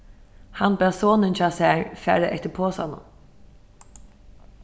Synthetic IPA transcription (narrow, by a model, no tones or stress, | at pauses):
hanbɛːsoːnənt͡ʃaːsæːɹfæ̰ːɾəʔɛht̪ɪpʰoːsa̰nʊ̰m